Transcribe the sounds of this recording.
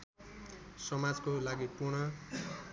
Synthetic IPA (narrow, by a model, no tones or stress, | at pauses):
sʌmad͡zkolaɡipurɽʌ